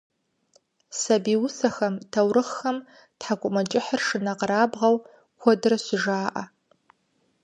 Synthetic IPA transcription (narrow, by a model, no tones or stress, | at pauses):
sɐbiːwʊsɐxɐmtʰɐwɾɨχxɐm | tħakʷʼʊmɐt͡ʃʼɪħərʂɨnɐqɾaːbʁɐw | xʷɔdɨrɐɕɪʒaːʔɐ̰